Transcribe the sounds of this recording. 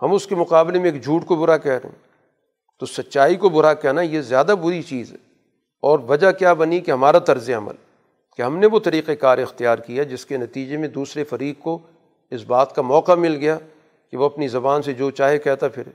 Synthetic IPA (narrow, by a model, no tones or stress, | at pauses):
hɐmʊskemʊqaːblemẽeːkd͡ʒʱuːʈkobʊɾakɛɦɾɐ̰ɦḛ̃ | t̪osɐtːʃaːikobʊɾakɛɦnajezjaːd̪abʊɾit͡ʃiːzɦɛ̰ | ɔːɾʋɐd͡ʒakjaːbɐnikeɦɐmaːɾat̪ɐɾzjaɐmə̰l | keɦɐmneʋot̪ɐɾiːqekaːɾɪxt̪ijaːɾkijad͡ʒɪskenɐt̪iːd͡ʒemẽd̪uːsɾefɐɾiːqko | ɪsbaːt̪kamɔːqamɪlɡɐja | keʋoɐpnizɐbaːnsed͡ʒoːt͡ʃaːɦekɛːɦt̪apʰɪɾ